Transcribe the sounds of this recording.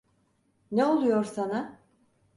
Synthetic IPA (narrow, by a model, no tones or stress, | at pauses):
neo̞lˠujo̞ɾsana